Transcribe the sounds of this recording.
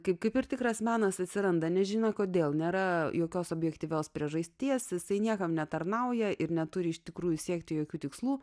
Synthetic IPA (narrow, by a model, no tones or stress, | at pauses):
kɐɪp̚kɐɪpɪɾt̪ʲɪkɾɐsmʲæːnɐsɐt̪ʲsʲɪɾɐnd̪ɐnʲɛʒʲɪnɐkoːd̪ʲeːlˠnʲeːɾɐjoːkʲoːsoːbʲjɛkt̪ʲiːʋʲoːspʲɾʲiɛʒɐsʲt̪ʲiɛsjɪsɐɪnʲiɛkɐmnʲɛt̪ɐɾnɐʊjɛʔɪɾnʲɛt̪ʊɾʲɪɪʃt̪ʲɪkɾuːjusʲiɛkt̪ʲɪjoːkʲuːt̪ʲɪkslˠuː